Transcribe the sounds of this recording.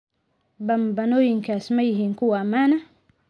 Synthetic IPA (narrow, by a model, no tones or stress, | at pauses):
bambanojiŋkasmajɦiŋkuwamana